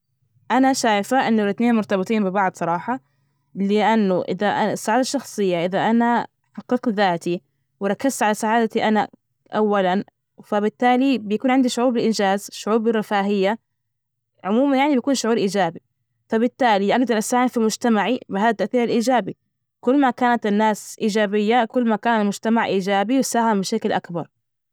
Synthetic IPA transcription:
ʔanaʃaːjfaʔɪnːʊlɪt̪neːnmʊɾt̪ɑbɪt̪ˤiːnbɪbɑʕd̪sˤɑɾˤɑːħɑ | lɪʔanːʊʔɪ̰ðaʔaɪsːaʕaːd̪aʃːɑxsˤɨjːaʔɪðaʔana | ħɑqːɨqðaːt̪i | wɪɾˤɑkːazt̪ʕalasaʕaːd̪at̪iʔana | ʔawːalan | fabɪt̪ːaːlibɪjakuːnʕɪnd̪iʃʊʕuːɾbɪlʔɪnd͡ʒaːzʃʊʕuːɾbɪrːɪfaːɦɪjːa | ʕʊmuːmanjaʕnibjakuːnʃʊʕuːɾʔiːd͡ʒaːbi | fabɪt̪ːaːliʔaɡd̪ɑɾˤʔasaːhɪmfilmʊd͡ʒt̪amaʕibɪɦaːðat̪ːaʔθiːɾɪlʔiːd͡ʒaːbi | kʊlːmakaːnat̪ɪnːaːsʔiːd͡ʒaːbɪjːakʊlːmakaːnlmʊd͡ʒt̪amaʕʔiːd͡ʒaːbiwsaːhɪmbɪʃaklʔakbɑɾˤ

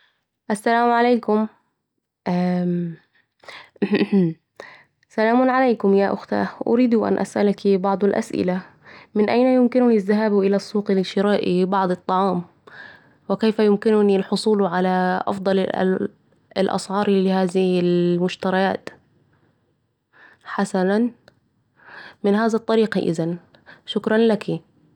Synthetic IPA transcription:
ʔasːalaːmʕaleːkʊm | ʔa | salaːmʊnʕalajkʊmjaːʔʊxt̪a̰ːhʔʊ̰ɾiːd̪uʔa̰nʔa̰sʔalakibɑʕd̪ˤalʔa̰sʔɪ̰la | mɪnʔajnajʊmkɪnʊnizːaɦaːbuʔɪlasˤːuːqlɪʃɪɾaːʔibɑʕd̪ˤɨt̪ˤːɑʕɑːm | wɪkejfajʊmkɪnʊnilħʊsˤuːlʕalaʔɑ̰fd̪ˤɑl̰ | ɪlʔɑ̰sˤʕɑːɾˤlɪhaːzɪhɪlmʊʃt̪ɑɾˤɑjaːt̪ | ħasanan | mɪnɦaːðɑt̪ˤːɑɾiːqɑ̰ʔɪ̰zan | ʃʊkɾˤɑnlaki

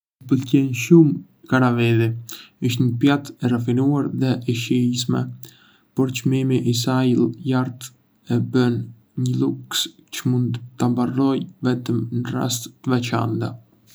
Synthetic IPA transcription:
pəlcɛnʃum | kaɾavɛðiiʃt̪ɲəpjat̪ɛrafinuaɾðɛʔɛʃɛis̬mɛ̰ | pɔɾt͡ʃmimiʔis̬ailˠjaɾt̪ | ɛbən | ɲəluks | t͡ʃəmund̪t̪ambarɔjvɛt̪əmnəra̰st̪ːəvɛt͡ʃa̰nt̪a

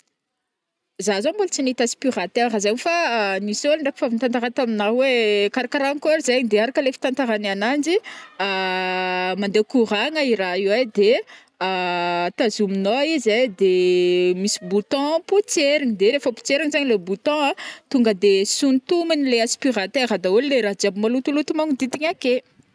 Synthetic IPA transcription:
zazõmbult͡sinit̪aspirat̪arazaɲifanisolɳɖ͡ʐakifavint̪ant̪aɾat̪aminawekaɾakaɾankoaɾizaɲd̪eaɾakəlefi̥t̪ãnt̪aɾananand͡ʒia | mand̪ekuɾaŋəiɾaiwad̪e | at̪azuminoizajd̪emisi̥but̪ɔ̃put͡seɾiɲd̪eɾefəpu̥t͡seɾiŋzaɲilebut̪ɔ̃at̪uŋɡəd̪esunt̪uminileaspirat̪eɾad̪auleɾad͡ʒabimalut̪ulut̪umaŋid̪it̪iɲake

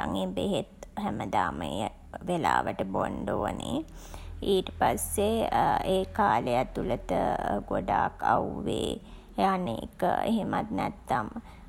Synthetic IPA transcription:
aŋebeɦet̪hæməd̪aːməjə | ʋelaːʋəʈəboɳɖoʋəne | iːʈəpasːeeːkaːləjat̪ːulət̪əɡoɖaːkauʋeː | aneːkəeɦemat̪nɛt̪ːam

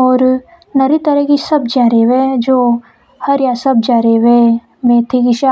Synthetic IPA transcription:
ɔːɾ | nɐɾit̪ɐɾəkisɐbd͡ʒaːɾeʋed͡ʒoː | hɐɾjasɐb̚d͡ʒaːɾeʋe | mẽːt̪ʰiɡɪʃa

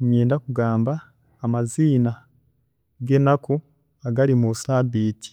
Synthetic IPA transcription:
ɲjeːndakuɡaːmbaː | maziːna | ɡe̞nako | aɡaɾimusabiːti̥

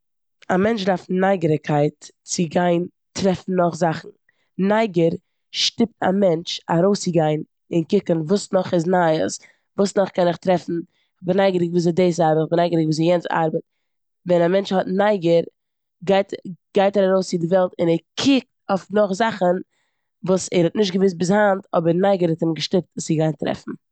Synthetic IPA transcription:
amɛnt͡ʃdaɾfnaɪɡəɾəkʰaɪtt͡sɪɡaɪn | tɾɛfn̩nɔχzaχn̩ | naɪɡəɾ | ʃtɪp̚tʰa̰mɛnt͡ʃa̰ɾoʊst͡sɪɡaɪn | ɪnkɪkənvuːsnɔχɪsnaə̰s | vuːsnɔχkɛnɪχtɾɛfn̩ | χbɪnaɪɡəɾɪkviːzɛdeɪs̬aɾbətɪχbnaɪɡəɾɪkviːzijɛnt͡sa̰ɾbət̚ | vɛnamɛnt͡ʃhɔtnaɪɡəɾ | ɡaɪtɡ̥aɪtɛɾaɾoʊst͡sɪdɪvɛlˠtɪnɛɾkʰɪk̚tofnʊχzaχən | vuːsɛɾhɔtnɪʃ̬tɡəvɪs̬bɪs̬hantʰɔbəɾnaɪɡəɾhɛtɪmɡəʃtɪp̚tsɪɡaɪntɾɛ̰fn̩

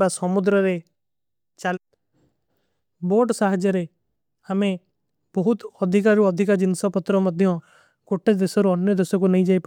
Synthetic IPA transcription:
basɔmʊd̪ɾəɾe | t͡ʃal | boːʈsaɦd͡ʒəɾe | həmẽ | bɔɦʊt̪ɔd̪ʱɪkaɾoɔd̪ʱɪkad͡ʒɪnsapət̪ɾɔməd̪ʱjõ | koʈʰːed̪esoɾoɔnjəd̪esokonəĩd͡ʒaːip

